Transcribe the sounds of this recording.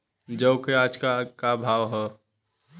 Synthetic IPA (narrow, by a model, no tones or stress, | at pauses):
d͡ʒəʊkead͡ʒkakabʱaʋɦɛ